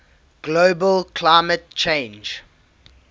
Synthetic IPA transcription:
ɡ̥loʊbəlkʰlaɪmət̚t͡ʃʰẽɪ̃nd͡ʒ

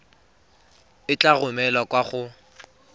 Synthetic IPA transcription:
ɪt͡ɬʼaɣʊmɛlakʼwaχʊ

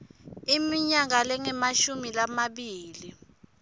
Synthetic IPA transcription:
imiɲak̬alɛŋɛmaʃumilamaɓiːli

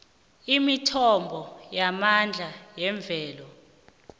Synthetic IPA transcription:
imitʰɔmbʱɔjamand͡ɮʱajɛɱb̪vʱɛːlɔ

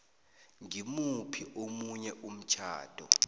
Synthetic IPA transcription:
ŋimupʰiʔomuɲɛʔum̩t͡ʃʰa̰ːd̥ʱɔ̰

